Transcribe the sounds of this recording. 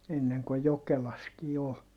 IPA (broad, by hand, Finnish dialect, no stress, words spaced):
enːeŋ ko jokelɑskiː ol